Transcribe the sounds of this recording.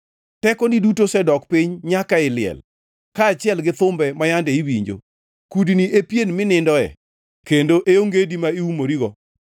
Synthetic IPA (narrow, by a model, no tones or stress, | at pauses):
tɛkɔnidutosɛdɔkpiɲɲakaɪlɪɛ̰l | kaːt͡ʃɪɛlɡɪt̪ʊmbɛmajandɛiwiɲd͡ʒo̰ | kudniʔepjenmɪnɪndɔɛ̰ | kendoʔeoŋɡedimaiumoɾiɡɔ